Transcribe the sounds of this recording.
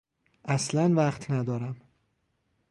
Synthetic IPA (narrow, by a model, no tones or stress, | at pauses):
ʔæslænvæχt̪ʰnæd̪ɒːɾæm